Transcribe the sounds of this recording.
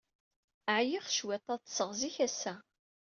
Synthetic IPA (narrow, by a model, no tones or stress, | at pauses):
ʕjiχʃwæt̪ˤːɑðt̪ːsəʁziçæsæ